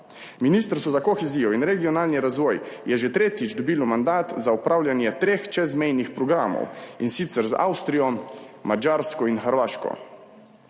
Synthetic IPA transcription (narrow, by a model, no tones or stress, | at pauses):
minist̪ɾst̪ɔzakɔxeziːjɔinɾɛɡijɔnaːlniɾazʋɔːjjɛʒet̪ɾeːt̪id͡ʒd̪ɔbiːlɔmand̪aːt̪zaupɾaːwljanjɛt̪ɾeːxt͡ʃɛzmɛjnixpɾɔɡɾaːmɔ̰winsit̪sɛɾza̰wst̪ɾijɔ | mad͡ʒaːɾskɔinxəɾʋaːʃkɔ̰